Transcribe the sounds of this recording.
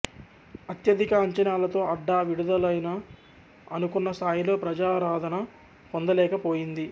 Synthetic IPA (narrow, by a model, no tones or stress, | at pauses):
ɐt̪jɐd̪ikɐːɲt͡ʃɐnaːlɐt̪o̞ːɐɖːaːʋiɽud̪ɐlɐjnɐː | nukunːɐst̪ʰaːjilo̞ːpɾɐd͡ʒaːɾaːd̪ʱɐnɐ | pond̪ɐlɛːkɐpoːjind̪i